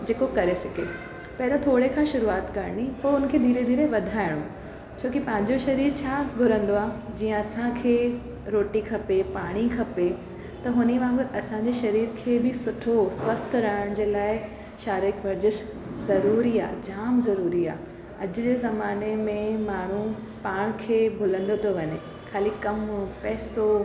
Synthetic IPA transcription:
d͡ʑeːkokɐɾesɐke | pɐɦɪɾõt̪ʰoːɽekʰãːʃʊɾuaːt̪kɐɾɽ̃ipoːʊnkʰeːd̪ʱiːɾed̪ʱiːɾeʋɐd̪ʱaːɪɽ̃õ | t͡ɕʰoːkipɐ̃ɦɪ̃ɲd͡ʑoʃɐɾiːɾt͡ɕʰaːɡʱʊɾə̃nd̪oaːd͡ʑiːə̃ɐsãkʰeː | ɾoːʈikʰɐpepaːɽ̃ikʰɐpe | t̪ɐɦʊniʋãːɡəɾɐsãɲd͡ʑeʃɐɾiːɾkʰeːbɪsʊʈʰosʋɐst̪ʰɾaːɪɽ̃d͡ʑeːlaːɪ | ʃaːɾɪkʋɐɾd͡ʑɪʃ | zɐɾuːɾia̰ːd͡ʑaːmzɐɾuːɾia̰ː | ɐd͡ʑʊd͡ʑeːzɐmaːnemẽmaːɳ̤u | paːɽ̃kʰeːbʱʊlə̃nd̪ot̪ʰoʋɐɲe | kʰaːlikɐmpɛːso

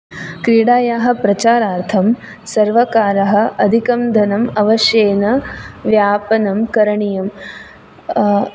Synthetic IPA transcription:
kɾiːɽaːjaːɦɐ̆pɾɐt͡ʃaːɾaːɾt̪ʰɐm | sɐɾʋɐkaːɾɐɦɐ̆ɐd̪ʱikɐmd̪ʱɐnɐmɐʋɐʃjeːnɐʋjaːpɐnɐmkɐɾɐɳijɐm

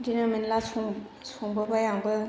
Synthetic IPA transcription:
dinaminlasuŋ | sʰuŋbəbajaŋbɯ

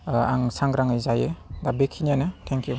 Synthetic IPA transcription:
aŋsaŋɡɾaŋɯjzajedabekʰinjanɯtʰɛŋkju

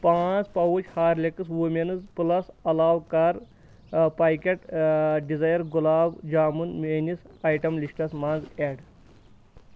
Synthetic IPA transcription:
pãt͡spɐwut͡ʃhaːɾlʲekɨsʋumenɨzpɨlɐsɐlaːwkaɾ | paːjkʲeʈɖid͡zajɐɾɡulaːbd͡ʒaːmunmenisajʈɐmliʂʈɐsmaːnd͡zeːɖ

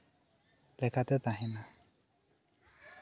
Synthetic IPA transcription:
lɛkʰat̪ɛt̪ãɦĩnã

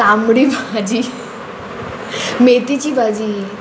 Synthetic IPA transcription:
amɽibʱad͡ʑi | met̪it͡ɕiːbʱad͡ʑiː

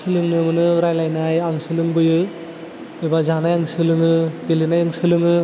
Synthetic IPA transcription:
ɯlɯŋnɯmɯnɯɾajlajnajaŋsɯlɯŋbɯjɯ | ebazanajaŋsɯlɯŋɯɡelinajɯŋsɯlɯŋɯ

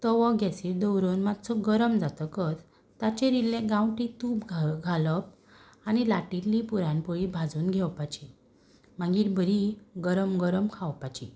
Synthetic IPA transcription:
t̪ɔʋɔɡʱɛsiːɾd̪əwɾonmat̪t͡səɡəɾəmd͡zat̪əkət̪ | t̪at͡ɕẽɾilːẽɡãwʈit̪uːpɡʱɡʱaləp̚ | anilaʈilipuɾãnpəɭibʱad͡zuːnɡʱɛwpat͡ɕi | mãɡiːɾbʱəɾiɡəɾəmɡəɾəmkʰawpat͡ɕi

